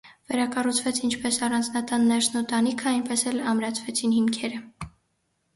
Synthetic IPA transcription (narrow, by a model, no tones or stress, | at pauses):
vɛɾɑkɑrut͡sʰvɛt͡sʰint͡ʃʰpɛsɑrɑnd͡znɑt̪ɑnːɛɾsnut̪ɑnikʰəɑjnpɛsɛlɑmɾɑt͡sʰvɛt͡sʰinhimkʰɛɾə